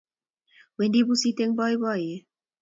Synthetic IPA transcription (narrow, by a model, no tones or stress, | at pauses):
wend̪ibusit̪eŋbɔjbɔje